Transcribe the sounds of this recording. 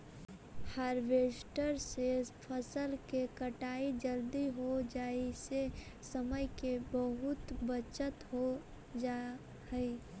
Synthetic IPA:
haːɾʋesʈəɾsepʰəsəlkekəʈaːid͡ʒəld̪iɦod͡ʒaːise | səməjkebəɦʊt̪bət͡ʃət̪ɦo | d͡ʒa | ɦəi

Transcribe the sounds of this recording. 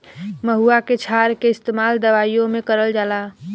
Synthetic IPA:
məɦuaket͡ʃʰaɾkeɪst̪emald̪əʋaijõmekəɾəld͡ʒala

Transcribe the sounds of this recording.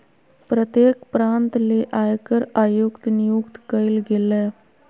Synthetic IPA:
pɾət̪jeːkpɾãːnt̪leʔajkəɾaːjukt̪nijukt̪kəilɡeleː

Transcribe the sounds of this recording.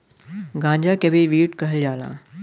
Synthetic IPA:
ɡãːɲd͡ʑakebiʋiːʈkəɦeld͡ʑaːlã̰ː

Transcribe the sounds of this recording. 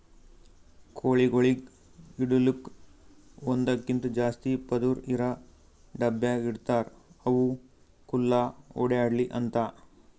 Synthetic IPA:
kʰoːɭiɡoɭiɡ | iɽuluk | ond̪ɐkːint̪ud͡ʒaːst̪ipɐd̪uɾiɾɐ | ɖɐbjaiɽt̪aːɾɐʋu | kulːaoːɽejaːɖliʔɐnt̪ɐ

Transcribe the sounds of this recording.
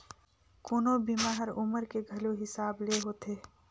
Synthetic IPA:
kunobimaɦəɾʊməɾkeɡʱɐloɦɪsaːbleɦoːt̪ʰeː

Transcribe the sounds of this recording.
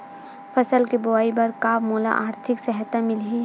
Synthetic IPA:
pʰɐsəlkibʊaːibɐɾkaːpmoːla̰ʔaːɾt̪ʰɪksɛɦət̪amɪlɦi

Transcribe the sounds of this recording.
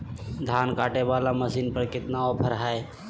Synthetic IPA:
d̪ʱaːnkaːʈebaːlaməsiːnpəɾkɪt̪naopʰəɾɦae

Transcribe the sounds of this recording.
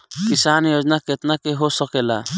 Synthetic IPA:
kisanjod͡ʒnaket̪nakeɦosəkeːla̰

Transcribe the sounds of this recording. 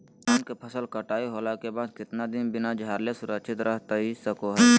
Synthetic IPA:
aːnkepʰəsəlkəʈaːiɦoːlakebaːd̪kɪt̪nad̪ɪnbɪnad͡ʒʱaːɾlesʊɾəkʃʰɪt̪ɾəɦt̪aisəkoɦɛː

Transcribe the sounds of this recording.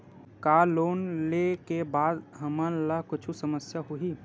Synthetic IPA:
kaːloːnlekebaːd̪ɦəmənlakʊt͡ʃʰusəməsjaɦuɦi

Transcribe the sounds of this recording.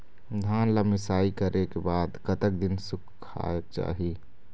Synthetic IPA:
d̪ʱaːnləmɪsaːikəɾʔekebaːd̪kət̪ək̚d̪ɪnsʊkʰkʰːa̰ek̚t͡ʃa̰ːɦi

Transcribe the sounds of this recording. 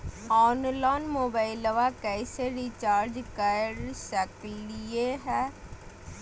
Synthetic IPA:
ɔːnlaːnmoːbaːɪləʋakɛːseɾiːt͡ʃaːɾd͡ʒkəɾsəklɪeɦɛː

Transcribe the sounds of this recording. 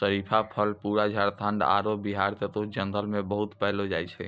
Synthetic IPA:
səɾipʰapʰəlpuɾad͡ʒʱəɽt̪ʰə̃ɳɖa̰ɾobiɦaɾt̪et̪od͡ʒə̃nd̪əlmẽbəɦut̪pɛɦlod͡ʒajt͡ʃʰɛ̰

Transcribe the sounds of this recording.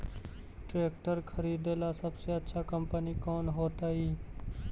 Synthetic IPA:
ʈɾeːkʈəɾkʰəɾiːd̪elasəbseətːʃʰakəmpənikoːnɦoːt̪aɦiː

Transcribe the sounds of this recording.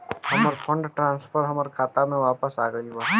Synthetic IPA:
ɦɐməɾpʰəɳɖʈɾãːnspʰəɾɦɐməɾkʰaːt̪amẽʋaːpəsaːɡəiba

